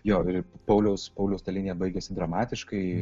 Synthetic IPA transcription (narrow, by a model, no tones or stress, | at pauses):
joːɪɾpɐʊlʲɛʊspɐʊlʲɛʊst̪ɐlʲinʲɪjɛbɐɪɡʲɛsʲɪd̪ɾɐmɑːt̪ʲɪʃkɐɪ